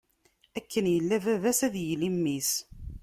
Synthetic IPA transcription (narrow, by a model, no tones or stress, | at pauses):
ækːənjəlːævævæsæðjəlimːis